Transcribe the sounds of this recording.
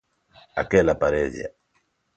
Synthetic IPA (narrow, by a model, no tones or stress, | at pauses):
a̰kɛlapaɾɛzj̰a̰